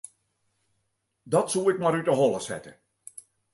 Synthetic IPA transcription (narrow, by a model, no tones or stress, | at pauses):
dɔtsuɪkmaɾytəɦɔlˠəsɛ̰tə